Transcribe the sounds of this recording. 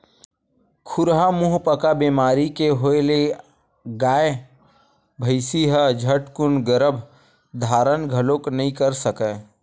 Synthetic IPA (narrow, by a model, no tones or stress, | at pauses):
kʰʊɾɦamʊɦpəkabiːmaːɾikeɦoele | ɡaːe | bʱəɪsiɦəd͡ʒʱəʈkʊnɡəɾəbʱ | d̪ʱaːɾənɡʱɐlõknɐɦĩkəɾsəkə